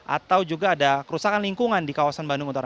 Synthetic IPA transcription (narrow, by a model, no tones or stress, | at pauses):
ʔa̰t̪awd͡ʒuɡaːdakəɾusakanliŋkuŋandikawasanbanduŋunt̪aɾa